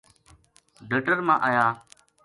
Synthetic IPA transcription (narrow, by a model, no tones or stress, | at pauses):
ɖʱəʈəɾmãːʔəjaː